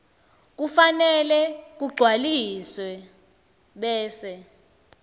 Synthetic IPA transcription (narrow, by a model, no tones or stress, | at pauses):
k̬ufanɛlɛk̬uɡ͡ǀʱwaliswɛ | ɓɛːsɛ